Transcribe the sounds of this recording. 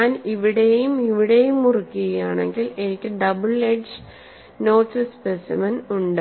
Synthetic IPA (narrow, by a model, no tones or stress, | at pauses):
aːniʋiɽe̞jumiʋiɽe̞jumurukʲːuɣɐjaːɳe̞̰ŋɡile̞nikʲːɨɖɐbɨɭeɖd͡ʑɨ | no̞ːʈsɨspesḭmɐnuɳɖɨ